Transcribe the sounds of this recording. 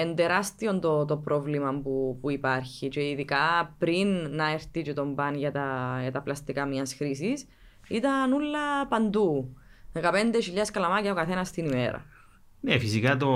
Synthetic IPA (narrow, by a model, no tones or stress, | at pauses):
end̪eɾɐst̪io̞nt̪ot̪o̞pɾʔo̞vlimɐmpupuipɐɾçit͡ʃeiðikɐpɾinːɐeɾt̪it͡ʃet̪o̞mbɐnʝɐt̪ɐʝɐt̪ɐplɐst̪ikɐmɲɐsxɾisis | it̪ɐnulːɐpɐnd̪uðekɐpe̞nd̪eʃiʎːɐskɐlɐmɐcɐokɐθe̞nɐst̪inimḛɾɐ̰ | nefisikɐt̪o